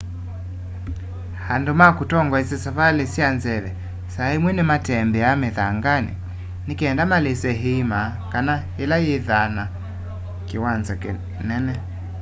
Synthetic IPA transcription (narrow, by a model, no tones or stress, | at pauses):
handumakutɔŋɡwaisɛsaβalesianzɛβɛ | saimwɛnɛmatɛmbɛamɛðaŋɡanḭ | nikɛɛndamalesɛɦiimakanahɛlajeðana | kiwanzak | nɛnɛ